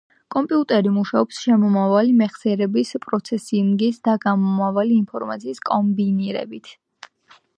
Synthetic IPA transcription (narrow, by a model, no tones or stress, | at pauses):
kʼɔmpʼiut̪ʼɛɾimuʃaɔpsʃɛmɔmavalimɛχsɛɾɛbispʼɾɔt̪sʰɛsimɡisd̪aɡamɔmavaliːnpʰɔɾmat̪sʰiːskʼɔmbiniɾɛ̰bit̪ʰ